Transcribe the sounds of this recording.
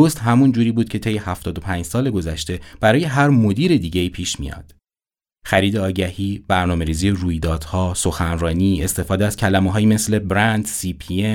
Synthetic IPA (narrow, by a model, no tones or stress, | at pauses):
ost̪hæmund͡ʒuːɾiːbuːd̪̥̚cʰe̞t̪ʰe̞jːehæft̪ɒːd̪opʰænd͡ʒsɒːle̞ɡo̞zæʃt̪e̞b̥æɾɒːje̞ɦæɾmod̪iːɾe̞d̪iːɟeiːpʰiːʃmḭjɒ̰ːd̪̥ | xæɾiːd̪eɒːɟæhiːb̥æɾnɒːme̞ɾiːziːeɾuːjd̪ɒːd̪̥hɒːso̞xænɾɒːniːe̞st̪e̞fɒːd̪eæz̥cʰælæmeɦɒːjiːme̞sle̞bɾænd̪sipʰie